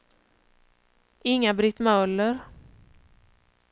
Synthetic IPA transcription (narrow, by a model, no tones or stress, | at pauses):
ɪŋːabɾɪt̪mœlːəɾ